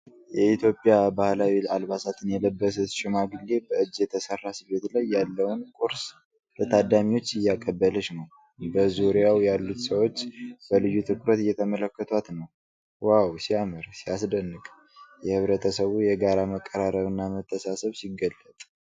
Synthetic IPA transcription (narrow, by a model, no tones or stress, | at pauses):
jɛit̪ʰjo̞pʼːjabahlawilalβasat̪ʰɨnjɛləbːəs̬ɨt̪ʃɪmaɡɨlːe̞bəɨd͡ʒːjɛt̪ʰəsərːasiβe̞t̪lajːalːəwnkʼuɾs | lət̪ʰad̪amiwo̞t͡ʃːɨjːakʼːəbːələʃnəw | bəzuɾijawjalːut̪səwo̞t͡ʃːbəlɨjːut̪ʰɨkʰʼɾət̪ɨjːɛt̪ʰəmələkːət̪ʰwat̪nəw | wawsiamɨɾsiasd̪ənːɨkʼ | jɛhɨβɾət̪ʰəsəβujɛɡaɾaməkʼːəɾaɾəβɨnːamət̪ʰːəsasəβsiɡəlːət̪ʼ